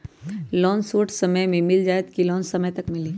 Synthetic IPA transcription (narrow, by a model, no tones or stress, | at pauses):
lɔːnsuːʈsɐməjmẽmɪld͡ʒaːjət̪kilɔːnsɐməjt̪ɐkmɪliː